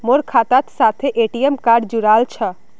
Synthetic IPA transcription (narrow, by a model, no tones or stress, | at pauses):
moɾkʰat̪at̪sat̪ʰeʔeʈijemkaɾɖd͡ʒuɾalt͡ʃʰə